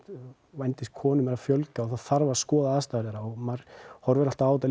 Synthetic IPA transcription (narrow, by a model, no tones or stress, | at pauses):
vajnt̪ɪst̪kʰɔːnʏmɛɾafjœlkawθaðθaɾvaɾskɔːðaast̪aɛɾðɛɾaɔɣmaɾhɔɾvɛɾal̥t̪aaːwt̪a